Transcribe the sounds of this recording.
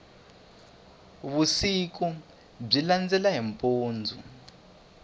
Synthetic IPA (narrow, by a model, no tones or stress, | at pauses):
βusiku | b͡ʐiland͡zɛlaɦimpʼoːnd͡zʱṵ